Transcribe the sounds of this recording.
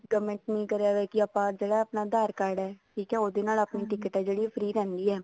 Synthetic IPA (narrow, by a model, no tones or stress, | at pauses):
ɡəmə̃ɳʈnĩːkəɾaːʋɛːkiapãːd͡ʒeːɽaːapnaːd̪aːɾkəɾɽɛːʈʰiːkɛːoːd̪eːnaːlapniːʈɪkəʈɛːd͡ʒeːɽiːpʰəɾiːɾɛ̃ːnd̪iːɛː